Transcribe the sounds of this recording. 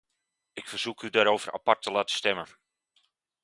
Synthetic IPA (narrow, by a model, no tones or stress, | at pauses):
ɪkfərz̥ukʰydaɾowvərʔa̰partəlaːtə̥stɛmən